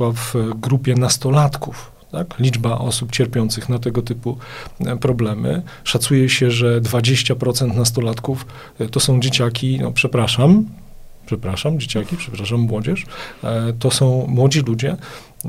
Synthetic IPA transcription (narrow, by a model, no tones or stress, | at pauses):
wavɡɾupʲjɛnast̪ɔlat̪kuf | t̪aklʲid͡ʐbaʔɔsupt͡ɕɛɾpʲjɔnt̪sɘxnat̪ɛɡɔt̪ɘpupɾɔblɛmɘ̰ | ʂat̪sujɛɕɛʐɛd̪vad͡ʑeɕt͡ɕapɾɔt̪sɛnt̪nas̬t̪ɔlat̪kuf | t̪ɔsɔ̃w̃d͡ʑet͡ɕakʲinɔ̰pʂɛpɾaʂam | pʂɛpɾaʂamd͡ʑet͡ɕakʲipʂɛpɾaʂamːwɔd͡ʑɛʂ | t̪ɔsɔ̃w̃mwɔd͡ʑilud͡ʑɛ